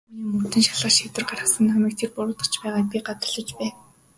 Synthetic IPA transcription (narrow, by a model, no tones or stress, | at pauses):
niːmɵr̥t̪ɘ̆nʃḁɮʁaːʃit̪ɘ̆rɢarə̆sə̆nχamiːk̚t̪ʰerpʊɾʊːt̪ə̆χt͡ɕpæːʁaːpʲiɢat̪ʊ̥̆ɮɞ̆t͡ɕpæː